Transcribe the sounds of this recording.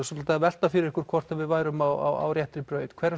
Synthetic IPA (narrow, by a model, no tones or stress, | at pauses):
sɔt̪lt̪avɛl̥t̪afɪɾɪɾɛhkʏɾ̥kʰvɔr̥t̪avɪðvaːjɾʏmawa̰wa̰wɾjɛht̪ɾɪpɾœːɥt̪kʰv̥ɛːɾa